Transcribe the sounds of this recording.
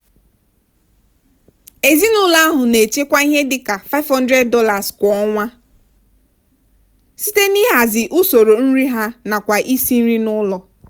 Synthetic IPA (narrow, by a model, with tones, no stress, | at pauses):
e˨zi˦nʊ˦la˦a˦ɦʊ˨ne˨t͡ʃe˦kʷa˦i˦ɦe˦dɪ˨ka˨fa˦ɪ˦vɦɔ˦ndɾe˦d̚dɔ˦la˨skʷɔ˨ɔ˦ŋʷa˦ | si˦te˦ni˦ɦa˨zɪ˨ʔʊ˦so˨ɾo˨n̩˦ɾi˦ɦa˦na˨kʷa˨ʔi˦si˦n̩˦ɾi˦nʊ˦lɔ˨